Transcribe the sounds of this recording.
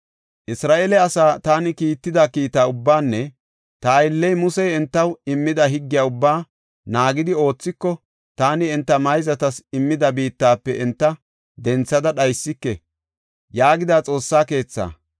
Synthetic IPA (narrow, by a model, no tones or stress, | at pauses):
ʔɪsɾaːʔelɛɐsaːt̪aːnɪkiːt̪ːɪd̪ɐkiːt̪aːʊbːaːnːɛ | t̪ɐːjɪlːɛjmʊsɛjɛnt̪ːɐwɪmːɪd̪ɐɦɪɡːɪjaːʊbːaː | naːɡɪd̪ɪo̞ːt͡sːɪkːɔ | t̪aːnɪɛnt̪ːɐmɐjzɐt̪ɐsɪmːɪd̪ɐbiːt̪ːaːpːɛʔɛnt̪ːɐ | d̪ɛnt͡sːɐd̪ɐɗɐjsːɪkːɛ | jaːɡɪd̪aːt͡sʼo̞ːsːaːke̞ːt͡sːa̰ː